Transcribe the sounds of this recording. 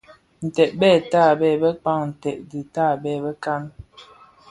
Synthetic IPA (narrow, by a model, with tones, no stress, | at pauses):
n̩˨tɛ˨ʔ̚bɛː˦˨taː˦˨bɛ˦˨bə˦k͡pa˦ŋn̩˨tɛ˨ʔ̚di˨taː˦˨bɛ˦˨bə˦ka˦n